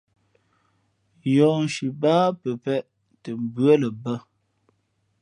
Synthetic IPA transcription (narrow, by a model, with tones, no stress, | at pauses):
jɔ˨n˨ʃi˨baː˦pə˨pɛ˦˨ʔ | tə˨m̩˨bɰə˦lə˨bə˦